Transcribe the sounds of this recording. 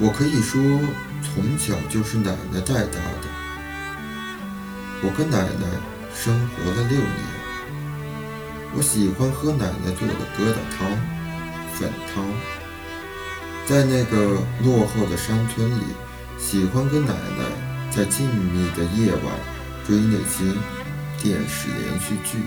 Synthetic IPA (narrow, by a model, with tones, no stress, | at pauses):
wɔ˨˩kʰɤ˧˥i˨˩ʂwɔ˥ | t͡sʰʊ˧˥ŋt͡ɕʰjɑ˨˩ʊt͡ɕjo˥˧ʊʂɻ̩˥˩na˨˩ɪnə˧t͡sa˥˧ɪt̪a̰˥˩d̪ə˩ | wɔ˨˩kɤ˥na˨˩ɪd̪ə˦ | ʂɤ˥ŋxwɔ̰˧˥lə˧ljo˥˩ʊmɛ̰˧˥n | wɔ̰˧˥ɕi˨˩xwa˥nxɤ˥na˨˩ɪnə˦t͡swɔ̰˥˩ɡə̰˩kɤ˥t̪ɑ̰˨˩t̪ʰɑ˥ŋ | fə̰˨˩nt̪ʰɑ˥ŋ | t͡sa˥˧ɪna˥˩ɡə˩lwɔ˥˧xo˥˩ʊd̪ə˩ʂa˥ŋt͡sʰwə˥nlḭ˨˩˦ | ɕi˨˩xwa˥nkə˥na̰˨˩ɪnə̰˦t͡sa˥˧ɪt͡ɕi˥˧ŋ˨mi˨˩d̪ə˩jɛ˥˩wɑ̰˨˩˦ŋ | fwe˥ɪne˨˩ɪɕʰji˥ŋ | t̪jɛ˥˩nʂɻ̩̰˨˩ljɛ̰˧˥nɕy˥˧t͡ɕy̰˥˩